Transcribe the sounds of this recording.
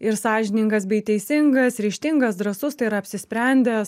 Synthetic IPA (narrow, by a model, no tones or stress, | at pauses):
ɪɾsɑːʒʲɪnʲɪŋɡɐsbʲɛɪt̪ʲɛɪsʲɪŋɡɐsɾʲɛʃʲt̪ʲɪŋɡɐsd̪ɾɐsʊst̪ɐɪiɾɐpʲsʲɪsʲpʲɾʲɛnʲd̪ʲɛs